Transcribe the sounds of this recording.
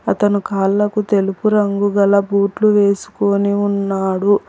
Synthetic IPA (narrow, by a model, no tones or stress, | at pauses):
ɐt̪ɐnukaːlːɐkut̪e̞lupuɾɐŋɡuɡɐlɐbuːʈluʋe̞ːsu̥ko̞ːniunːaːɽu